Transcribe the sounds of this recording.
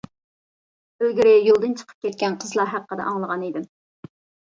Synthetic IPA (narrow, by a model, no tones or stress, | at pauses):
ølɡʲiɾɪjolˠd̪ɨnt͡ʃʰə̥qʰə̥p̚kʲʰɛt̪̚kʲɛnqʰəzlˠɑɦæqːəd̪ɛ̰ʔɑŋlˠəʁɑnid̪ɪm